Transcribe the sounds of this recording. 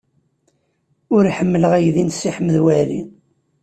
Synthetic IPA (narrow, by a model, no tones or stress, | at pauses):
ʊɾiħəmːələʁæjðinsːiħəməðwæɾḭ